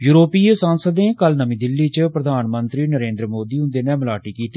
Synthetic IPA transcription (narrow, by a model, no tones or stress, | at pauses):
juːɾoːpiːsãːnsəd̪neːkəlnəmĩːd̪ɪlːiːt͡ʃpɾəd̪ʱaːnmə̃nt̪ɾiːnəɾẽːnd̪ɾəmoːd̪iːɦʊ̃nd̪eːnɛːməlaːʈiːkiːt̪iː